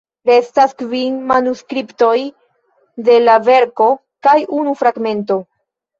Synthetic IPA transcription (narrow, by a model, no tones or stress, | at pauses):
ɾe̞staskvinmanuskɾipto̞j | de̞lave̞ɾko̞ | kajunufɾaɡme̞nto̞